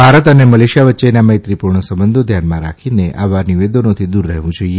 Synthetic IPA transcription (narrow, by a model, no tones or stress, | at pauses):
bʱaɾət̪əneməleʃijaʋətːt͡ʃenaməɦit̪ɾipuɾɳəsəmbənd̪ʱod̪ʱjanmãɾakʰineʔaʋaniʋed̪onõt̪ʰid̪uɾːəɦʋũd͡ʒoie